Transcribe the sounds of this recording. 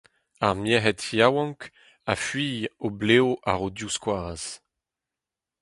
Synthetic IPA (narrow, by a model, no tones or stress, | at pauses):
aʁmjɛɦɛtjawɑ̃ŋk | afɥiːjobleoʔa̰ʁodjuskwaːz̥